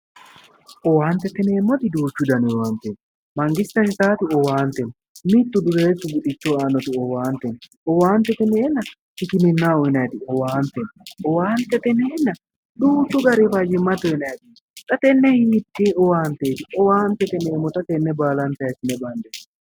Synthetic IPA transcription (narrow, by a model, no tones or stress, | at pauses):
ɔwaːnt̪ɛt̪ɛneːmːɔt̪ɪd̪uːt͡ʃːʊd̪ɐnɪɔwaːnt̪ɛn | mɐŋɡɪst̪ɐnɪt̪aːt̪ɪɔwaːnt̪ɛn | mɪt̪ːʊd̪ʊɾeːsʊɡʊᶑɪt͡ʃːɔaːnːɔt̪ɪɔwaːnt̪ɛn | ɔwaːnt̪ɛt̪ɛneːnːɐ | hɪkɪmɪnːaɔɪnɐjt̪ɪɔwaːnt̪ɛnɔwaːnt̪ɛt̪ɛneːnːɐ | d̪uːt͡ʃːʊɡɐɾefad͡ʒɪmːɐt̪ːɔɪnɐjɛt̪ɪ̥ | t̪ɐt̪ɛnːɛhit̪ːeːɔwaːnt̪eːt̪ɪɔwaːnt̪ɛt̪ɛneːmːɔt̪ɐt̪ɛnːɛbaːlɐnt̪ɐjɛt̪ɪnɛbɐnd̪ɛ